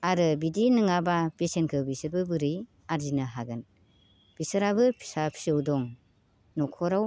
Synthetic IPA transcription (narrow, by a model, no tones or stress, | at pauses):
aɾɯbidinɯŋabapesenkʰɯbisɯɾbɯbɯɾɯj | aɾzinɯɦaɡɯn | b̥isɯɾabɯpʰi̥sapʰi̥sɯwdɔŋ | nɔkʰɔɾaw